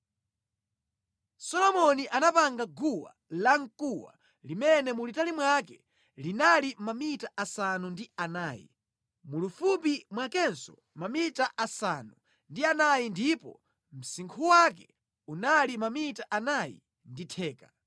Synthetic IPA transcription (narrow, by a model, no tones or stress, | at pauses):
sɔlɔmɔniʔanapaŋɡaɡuwa̰ | laŋ̩kuwa̰ | limɛnɛmulitalimwak̬ɛ | linalimamitaʔasanundianaːjḭ | mulufup̬imwakɛnsɔ | mamitaʔasanu | ndianajindipɔ̰ | m̩siŋkʰuwak̬ɛ | unalimamitaʔanajḭ | nditʰɛːka